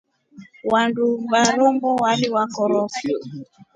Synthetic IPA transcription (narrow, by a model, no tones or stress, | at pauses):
wandubaɾɔmbɔwaliwakɔɾɔki